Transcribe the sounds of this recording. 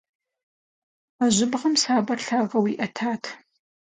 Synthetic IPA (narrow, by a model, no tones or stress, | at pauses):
ɐʑʷɪbʁɐmsaːbɐrɬaːʁɐwiːʔɐtʰaːtʰ